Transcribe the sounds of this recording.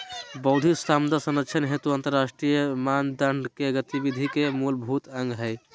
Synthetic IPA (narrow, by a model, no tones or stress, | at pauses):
bəʊd̪ʱist̪amd̪asənəʃʰənɦet̪uant̪əɾːasʈɾijəmand̪əɳɖkeɡət̪ibid̪ʱikemulbʱut̪əŋɡɦəɪ